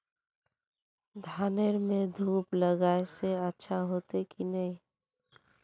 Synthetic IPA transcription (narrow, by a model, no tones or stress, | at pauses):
d̪ʱaːneɾmẽd̪ʱuːpləɡaeseətːʃʰaɦoːt̪ekinəĩ